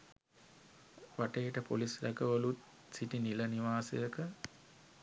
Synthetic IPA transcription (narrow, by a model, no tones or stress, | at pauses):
ʋaʈejʈəpo̰lisɾɐkəʋɐlut̪ | siʈinilɐniʋaːsɐ̰jəkə